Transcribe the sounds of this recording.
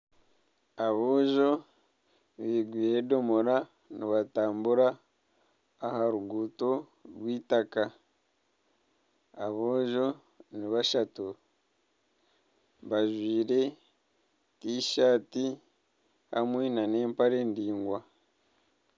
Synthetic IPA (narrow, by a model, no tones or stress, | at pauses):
aβoːʒo̞ | βiːɡwiːɾe̞do̞moɾa | niβataːmbuɾa | haɾuɡuːto̞ | ɾwiːtaka | βoːʒo̞ | niβaʃatu | βaʒwiːɾe̞ | kiʃaːti | ha̰mwenane̞ːmpaɾe̞ːndiːŋɡwa